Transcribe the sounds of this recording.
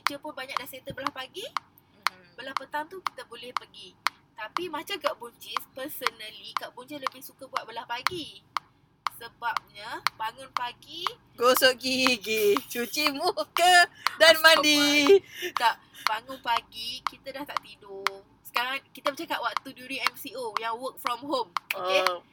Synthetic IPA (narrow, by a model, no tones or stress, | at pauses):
t͡ʃut͡ʃəpʊnbaɲak̚daset̪əbəlahpaɡi | bəlahpət̪amt̪uki̥t̪əbolɛhpərɡi | t̪apimãt͡ʃakaʔbuɲt͡ʃɪspəsənəlikaʔbuɲt͡ʃɪsləbɪhsukabuat̪̚bəlahpaɡi | səbap̚ɲəbaŋʊnpaɡi | ɡosoʔɡiɡit͡ʃut͡ʃimukədanmãdi | kaʔ | baŋʊnpaɡikit̪adaht̪aʔt̪idʊ | sə̥kaɾaŋkit̪abət͡ʃakaʔwaʔ̚t̪uduɾiɛmsiojaŋwək̚fɾɔmɦome